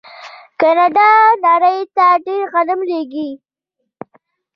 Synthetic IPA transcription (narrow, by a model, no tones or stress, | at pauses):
kanaɖɑnɑɾəjt̪aɖeɾɣalamleɡi